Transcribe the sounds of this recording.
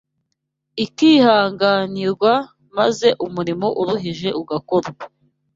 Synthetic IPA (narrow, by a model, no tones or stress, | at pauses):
ikiːhaːŋɡaːniɾɡwa | maze̞ʔumuɾimo̞ʔuɾuɦiʒe̞ʔuɡakoɾɡa